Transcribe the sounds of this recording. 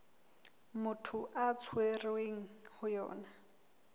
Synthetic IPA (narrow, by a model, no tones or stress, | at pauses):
mʊtʰʊʔat͡sʰwerweŋ̩hʊjɔ̰ːna